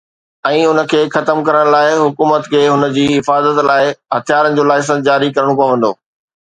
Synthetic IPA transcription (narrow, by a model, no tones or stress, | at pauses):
ɛ̃ːʊnə̆kʰeːxɐt̪əmkɐɾəɽ̃laːɪɦʊkuːmət̪kʰeːɦʊnə̆d͡ʑiːɪfaːzət̪laːɪɦɐt̪ʰijaːɾənɪ̆d͡ʑoːlaːɪs̬ə̃d͡ʑaːɾikɐɾəɽ̃õpɐʋə̃nd̪o̰ː